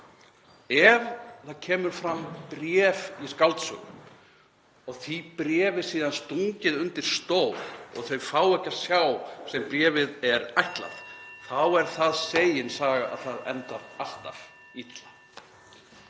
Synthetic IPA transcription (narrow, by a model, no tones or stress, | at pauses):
ɛvθaðcʰɛːmʏɾ̥fɾampɾjɛːviskalt̪sʏ̰ɣʏ̰m | ɔɣθipɾɛːvɪ̥siːðanst̪uɲcɪðʏnt̪ɪɾ̥st̪oːwɾɔ̰ɣθœɥfaːwɛhcḁsjaːwsɛmpɾɛːvɪðɛɾajht̪la̰θθawɛɾ̥θaðseːjɪnsaːɣaa̰ðθaðɛ̰nt̪aɾal̥t̪a̰ɾ | it̪lḁ